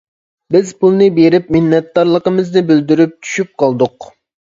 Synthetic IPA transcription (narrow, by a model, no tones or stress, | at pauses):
bɪzpʰulˠnɨbeɾɪp̚mɪnːɛt̪̚d̪ɑɾlˠəqəmɨznɪbyld̪yɾyp̚t͡ʃʰy̥ʃyp̚qʰɑlˠd̪ʊq